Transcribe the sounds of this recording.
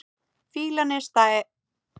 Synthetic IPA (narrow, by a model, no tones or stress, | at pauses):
fiːlanɛst̪aɛ